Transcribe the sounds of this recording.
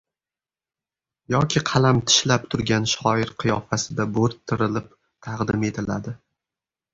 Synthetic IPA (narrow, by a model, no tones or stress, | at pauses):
jɒkʲʰɪqʰɑlˠamt̪ʰɪ̥ʃlap̚t̪ʰʊɾɡʲanʃɒɪɾqʰɨjɒfasɪd̪aboɾt̪ʰːɪɾɪlɪp | t̪ʰɑqd̪ɪme̞t̪ʰɪla̰d̪ɪ